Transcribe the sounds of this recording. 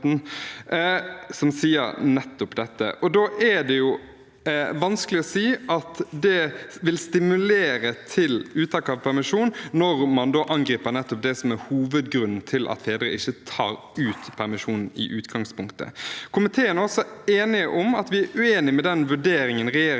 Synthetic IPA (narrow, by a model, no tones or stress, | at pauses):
sɔmsiːə̰ɾnɛt̪ːʊpd̪ɛt̪ːə̰ʔɔd̪oːʔæɖ̪ɛjʊ | ʋɑnskəlɪɔsiːʔɑt̪d̪ɛʋɪlst̪ɪmʉleːɾət̪ʰɪlʉːt̪ʰɑːkəɑʋpʰæɾmɪʂuːnːɔɾmɑnd̪oːʔɑŋɡɾiːpəɾnɛt̪ːɔp̚d̪ɛsɔmɛɾhuːʋəd̪ɡɾʉnn̩t̪ʰɪlʔɑ̰t̪feːd̪ɾə̰ɪçːət̪ʰɑːɾ | ʉːt̪pʰæɾmɪʂuːnn̩ɪ̰ʔʉːt̪ɡɑŋspʰʊŋkt̪ʰə̰kʰʊmɪt̪ʰeːənæɾɔsɔeːnɪəʔʊmɑt̪ʋɪæɾʉeːnɪmɛd̪ɛnʋʉɖeːɾɪŋənɾɛjeː